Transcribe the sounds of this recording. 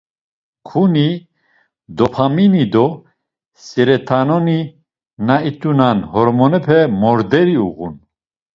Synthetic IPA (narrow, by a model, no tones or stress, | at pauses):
kʰuni | d̪ɔpʰaminid̪ɔ | sɛɾɛt̪ʰanɔni | nait̪ʼunanhɔɾmɔnɛpʰɛmɔɾd̪ɛɾiuɣṵn